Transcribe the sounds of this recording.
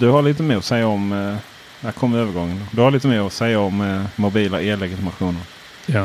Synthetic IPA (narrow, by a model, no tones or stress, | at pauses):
d̪̥ɵhaɭiːt̪əmeːɔsɛjːaɔm | d̪ɛhæɾkʰɔmːəvøːvəɾɡɔŋːənd̪oːd̪ɵhaɾliːt̪əmeːɔsɛjːaɔmːʊbiːlaʔeːlɛɡɪt̪ɪmaɧuːnəɾ